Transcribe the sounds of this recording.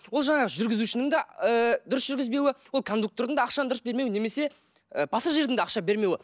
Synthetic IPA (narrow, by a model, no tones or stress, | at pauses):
wo̞lˠʒɑɴɑʁəʒʏɾɡʲɪzuʃɪnɪŋd̪ɑəd̪ʊɾəsʒʏɾɡʲɪzbe̞wɪwolˠkʰo̞nd̪uk̚t̪o̞ɾd̪əɴd̪ɑːɑqʃɑnəd̪ʊɾəsbe̞ɾme̞wne̞me̞se̞ | əb̥ɑsɑʒe̞ɾd̪ɪŋd̪eɑqʃɑbe̞ɾme̞wɪ